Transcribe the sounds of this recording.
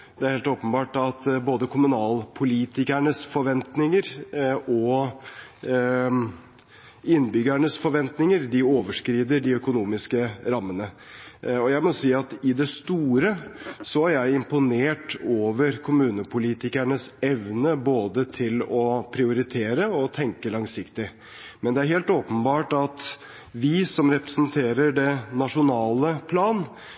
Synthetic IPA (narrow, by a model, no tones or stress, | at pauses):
d̪ɛæɾheːlt̪oːpənbɑːʈɑt̪boːd̪əkʰʊmʉnɑːlpʰʊliːt̪ɪkæɳəsfɔɾʋɛnt̪nɪŋəɾɔ | ɪnbʏɡæɳəsfɔɾʋɛnt̪nɪŋəɾd̪ɪoːʋəʂkɾiːd̪əɖɪœkʊnuːmɪskəɾɑmːənə | ɔjæɪmɔsiːɑt̪ɪd̪ɛst̪uːɾəsɔæɾjæɪɪmpʊneːʈoːʋəɾkʰʊmʉːnəpʰʊliːt̪ɪkæɳəsɛʋnəboːd̪ət̪ʰɪlɔpʰɾɪʊɾɪt̪ʰeːɾəɔt̪ʰɛŋkəlɑŋsɪkt̪ɪ | mɛnd̪ɛæɾɦeːlt̪oːpənbɑːʈɑt̪ | ʋɪsɔmɾɛpɾə̥snt̪ʰeːɾəɖɛnɑʂʊnɑːləpʰlɑːn